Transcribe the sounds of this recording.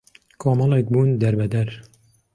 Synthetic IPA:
kʰɑːmɑlɛk̚buːnd̪ɛɾbɛd̪ɛɾ

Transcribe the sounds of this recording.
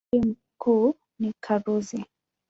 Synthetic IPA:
im̩ | ku | nikʰaɾuzi

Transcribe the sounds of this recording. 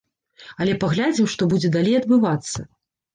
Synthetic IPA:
ɐlʲɛpaɣlʲad͡zʲimʂt̪ɔbud͡zʲɛd̪alʲejɐd̪̚bɨvat̪sːɐ

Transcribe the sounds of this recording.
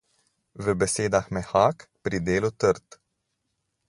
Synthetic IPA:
vəbesed̪axmehakpɾid̪elot̪ərt̪

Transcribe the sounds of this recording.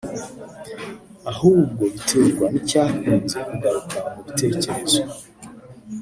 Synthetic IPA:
ahuːb̚ɡo̞βiteɾɡwanicahunzekuɡaɾukamuβite̞ːce̞ɾe̞z̥o

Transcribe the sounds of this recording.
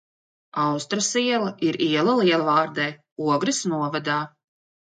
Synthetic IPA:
awst̪ɾasiɛlˠɐʔiɾiɛlˠalˠiɛlˠavaːɾd̪ɛj | uɔɡɾisnuɔvad̪aː

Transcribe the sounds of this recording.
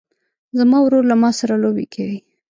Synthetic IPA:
zamɑwɾoɾlamɑsaɾalobḛkʰawi

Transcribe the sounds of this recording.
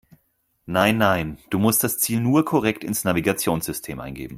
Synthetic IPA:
naɪnːaɪnd̥uːmʊst̚d̥ast͡siːlnuːɐkʰɔʁɛktɪnsnaviɡat͡sjoːnz̥ʏstʰḛːmʔa̰ɪnɡḛːbm̩

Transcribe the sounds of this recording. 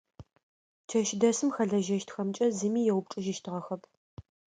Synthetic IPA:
t͡ʃʰɐʃɪdɐsɨmxɐɮɐʒɐʃtxɐmt͡ʃʼɐzɨmiːjɛwʊp̚ʈ͡ʂʼɨʒɪʃtʰɨʁɐxɐpʰ

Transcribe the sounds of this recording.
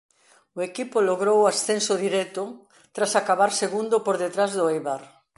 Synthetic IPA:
ʊekipʊloɣɾowasθensʊðiɾɛt̪ʊ | t̪ɾasakaβaɾseɣund̪ʊpoɾðet̪ɾazðʊejβaɾ

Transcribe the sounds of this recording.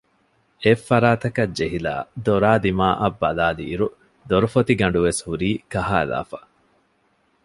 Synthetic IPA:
efːɐɾaːt̪ɐkɐd͡ʒeɦila̰ːd̪oɾaːd̪imaːʔɐbːɐlaːlḭːɾu | d̪oɾufot̪iɡɐɳɖuʋeshuɾiːkɐɦaːla̰ːfɐ̥

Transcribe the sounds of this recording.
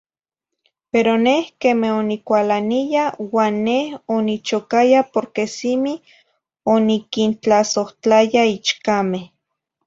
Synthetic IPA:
peɾonehkemehonikʷalanijawaːnːehonit͡ʃokajapoɾkesimi | onikint͡ɬasoht͡ɬajait͡ʃkameh

